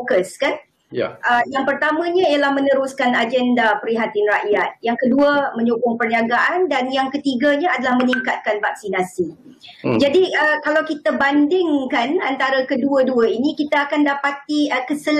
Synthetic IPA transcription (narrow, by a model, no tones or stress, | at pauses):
kəskan̰ | ʔəjaŋpərt̪amãɲãialahmə̃nə̃ɾuskanad͡ʒɛndapɾiɦat̪inraʔjat̪̚jaŋkəduamə̃ɲukʊŋpərɲiaɡaʔandanjaŋkət̪iɡaɲãadalahmə̃niŋkat̪̚kanvak̚sinasi | d͡ʒadiʔəkalawkit̪abandɪŋkanant̪aɾakəduəduainĩkit̪aakandapat̪iəkəsəl